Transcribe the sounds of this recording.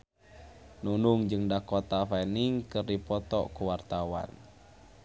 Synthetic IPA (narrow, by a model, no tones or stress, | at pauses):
nunuŋd͡ʒɨŋdakɔt̪afɛniŋkɨrdipɔt̪ɔkuwart̪awa̰n